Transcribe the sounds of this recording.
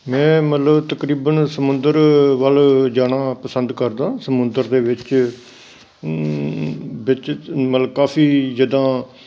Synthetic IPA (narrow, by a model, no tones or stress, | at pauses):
mɛ̃ːmət̪ləbt̪əkɾiːbənsəmʊ̃nd̪əɾʋəld͡ʒaːnaːpəsənd̪kəɾd̪ãːsəmʊnd̪əɾd̪eːʋɪt͡ʃ | bɪt͡ʃmət̪ləbkaːpʰiːd͡ʒəd̪ãː